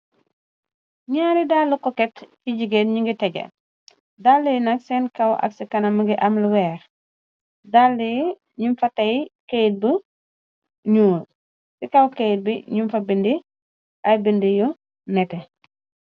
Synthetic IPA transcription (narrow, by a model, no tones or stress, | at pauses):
ɲaːɾidalːukɔkɛtfiɟiɡetɲuŋɡitɛɡɐ̰ | dalːijnɐksɛnkɐwʔɐ̰ksikɐnɐmɐɡiʔɐmluwɛːɾ | dalːij | ɲumfɐtɐjkejt̚bə | ɲuːl | sikɐwkejt̚biɲumfɐbindi | ʔɐjbindiju | nɛtɛ